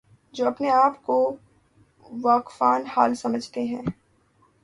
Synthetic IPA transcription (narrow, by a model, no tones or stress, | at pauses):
d͡ʒoːɐpneaːpko | ʋaːkfaːnhaːlsɐməd͡ʒʱt̪eɦɛ̃ː